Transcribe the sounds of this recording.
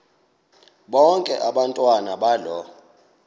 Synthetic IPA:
ɓɔŋkʼɛ̰ʔaɓantʼwanaɓalɔ

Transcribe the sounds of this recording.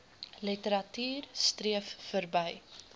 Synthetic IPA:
lətəɾɐtyːrstriəfːərbəj

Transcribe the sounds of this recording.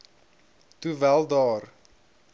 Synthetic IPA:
tuvælˠdɑːr

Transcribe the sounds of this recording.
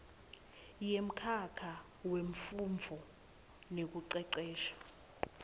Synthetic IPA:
jem̩kʰakʰa | weɱ̩fuɱvʱɔ | nek̬uǀɛǀɛːʃḁ

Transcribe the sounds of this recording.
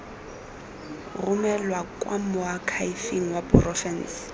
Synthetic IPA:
rʊmɛlwakʼwa̰mʊakʰaifeŋ̩waprɔfɛns

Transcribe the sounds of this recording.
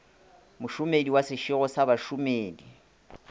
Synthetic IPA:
mʊʃʊmediwasɪʃiɣɔsaβaʃʊmeːdi

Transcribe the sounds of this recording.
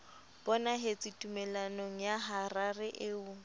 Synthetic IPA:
b̥ɔnaɦɪt͡sʼitʼumɛlanoŋ̩jaɦararɪʔɪʊ

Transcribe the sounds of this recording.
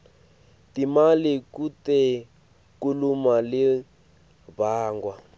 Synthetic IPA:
timalikutɛ | kulumali | baːŋɡwa

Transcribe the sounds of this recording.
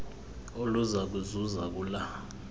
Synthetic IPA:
oluzak̬uzuzak̬ula

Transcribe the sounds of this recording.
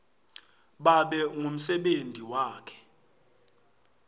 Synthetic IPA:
ɓaɓɛŋʱum̩sɛɓendʱiwaːkʰɛ̥

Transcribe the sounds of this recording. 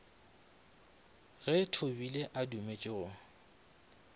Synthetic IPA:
ɣɛtʰobileʔadumet͡ʃʼɪɣʊ

